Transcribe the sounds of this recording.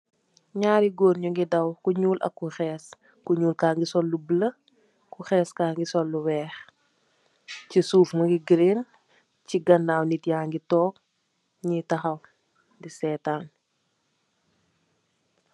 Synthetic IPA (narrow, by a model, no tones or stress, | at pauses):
ɲaːɾiɡoːnɲuŋɡidɐwkuɲuːlʔɐ̰kːuxɛːs | kuɲuːlkaːŋɡisɔlːublə | kuxɛːskaːŋɡisɔlːuwɛːx | cisuːfmɐŋɡiɡɾen | ciɡɐndaːwnitjaːŋɡitɔːk̚ | ɲitɐxɐw | disɛːtaːn